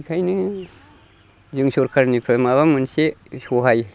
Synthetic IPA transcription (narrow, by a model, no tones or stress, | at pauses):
kʰajnɯ | zɯŋsɔɾkʰaɾnipʰɯmaβamɯnsesɔɦaj